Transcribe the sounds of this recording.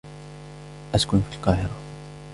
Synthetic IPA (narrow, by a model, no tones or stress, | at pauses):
ʔaskʊnfilqɑːhɪɾˤɑ